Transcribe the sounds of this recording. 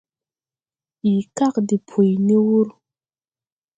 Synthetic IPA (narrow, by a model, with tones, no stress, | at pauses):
i˨ka˦kdi˨pʰu˨jni˦wu˦ɾ